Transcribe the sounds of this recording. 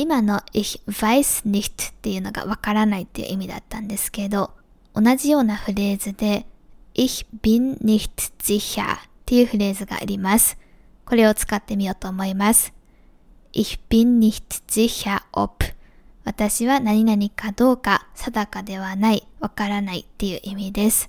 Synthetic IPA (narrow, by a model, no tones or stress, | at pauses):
imano̞iç̥β̥aisɨ̥nʲi̥t̪ɨ̥t̪ːe̞jɯ̟no̞ɡa̰β̞akaɾanait̪ːe̞jɯ̰ʔimʲid̪a̰t̪ːãnd̪e̞sɨ̥ke̞d̪o̞ | onaʑijo̞ːnaɸɯ̟ɾe̞ːzɨd̪e̞içi̥b̥ʲĩnɾʲiçi̥t̪ɨ̥ʑiça̰t̪ːe̞jɯ̟ːɸɯ̟ɾe̞ːzɨɡa̰ːɾʲimasɨ̥ | ko̞ɾe̞o̞t͡sɨ̥kat̪ːe̞mʲijo̞ːt̪o̞ːmo̞imasɨ̥ | iç̥b̥ʲĩɲːʲiç̥tɨ̥ʑ̥içʲaʔopɯ̟̥ | β̞at̪aɕiβanaɲ̟inaɲ̟ikad̪o̞ːkasad̪akad̪e̞β̞anaiβakaɾanaḭt̪ːe̞jɯ̟ːʔimʲid̪e̞sɨ̥